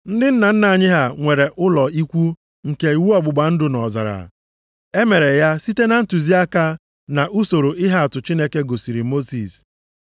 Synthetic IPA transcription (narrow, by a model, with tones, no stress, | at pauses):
n̩˦dɪ˦n̩˦na˨n̩˦na˨a˨ɲɪ˦ɦa˨ŋʷe˨ɾe˨ʔʊ˦lɔ˨i˦kʷu˦ | ŋ̩˨ke˨i˨wu˦ɔ˦ɡ͡bʊ˨ɡ͡ba˨n̩˦dʊ˨nɔ˨za̰˨ɾa̰˨ | e˦me˨ɾe˨ja˦si˦te˦na˨n̩˦tu˨zi˦a˦ka˦ | na˨ʔu˦so˨ɾo˨ɪ˦ɦa˦a˨tʊ˨t͡ʃi˦ne˦ke˦ɡo˨si˨ɾi˨mo˦si˨s